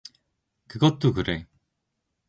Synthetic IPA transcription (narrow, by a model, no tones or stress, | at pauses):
kɯɡʌt̪͈ːokɯɾe